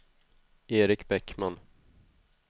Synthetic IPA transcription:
eːɾɪkbɛkman

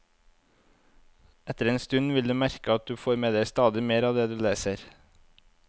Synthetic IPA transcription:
ɛt̪əɾeːnst̪ʉnʋɪld̪ʉːmæɾkəɑt̪̚d̪ʉːfoːɾmeːd̪eɪst̪ɑːd̪ɪmeːɾɑːʋd̪eːd̪ʉːleːsəɾ

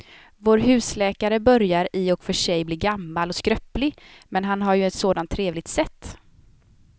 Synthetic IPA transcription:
voːɾɦʉ̟ːslɛːkaɾəbœɾjaɾɪɔkfœʂɛjbliːɡamːalɔskɾœpːlɪmɛnɦanɦaɾjɵɛt̪soːd̪ant̪ʰːɾeːvlɪɡ̚t̪sɛt̪ː

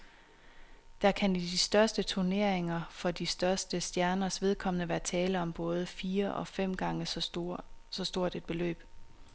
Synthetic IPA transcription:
d̥ɑ̈kʰænid̥isd̥ɶɐsd̥ət͡sʰuɐne̝ɐ̰eŋɐfɒ̽d̥isd̥ɶɐsd̥əsd̥jæɐnɐsʋe̝ð̞ˠkʰɒ̽mənəʋæːɐt͡sʰɛːləɒ̽mb̥ɔ̽ːð̞ˠəfiːɐʔɒ̽fem̰ɡ̥ɑ̈ŋə | sɒ̽sd̥o̝ɐ̰d̥e̝d̥̚b̥e̝lø̰ːb̥

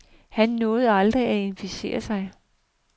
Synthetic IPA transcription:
hænːɔ̽ːð̩ˠɑ̈ld̥ʁiæe̝nfise̝̰ːɐsɑ̈ɪ

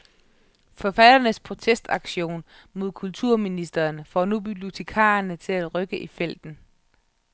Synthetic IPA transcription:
fɒ̽fæd̥ɐnəspʰʁo̝t͡sʰesd̥ɑ̈ɡ̥ɕo̝̰ːn | mo̝ð̞̰ˠkʰult͡sʰuɐ̰minisd̥ɐːnfɒːnub̥ib̥jo̝t͡sʰe̝kʰɑ̰̈ːɐnət͡sʰe̝læd̥ʁœɡ̥əʔifel̰d̥n̩

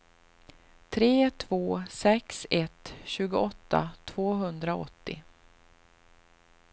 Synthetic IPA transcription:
t̪ʰɾeːt̪ʰvoːsɛksɛt̪ɕʉ̟ːɡʊʔɔt̪ːa̰t̪ʰv̥oːɦɵnd̪ɾaɔ̰t̪ːɪ̰

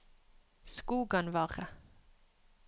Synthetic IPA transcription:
skuːɡənʋɑːʁə

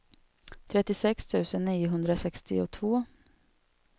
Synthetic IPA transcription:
t̪ʰɾɛt̪ːɪsɛkst̪ʰʉ̟ːsənːiːʊɦɵnd̪ɾasɛkst̪ɪʊt̪ʰvoː

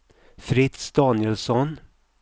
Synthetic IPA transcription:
fɾɪt̪sd̪̥ɑːnjəlsɔn

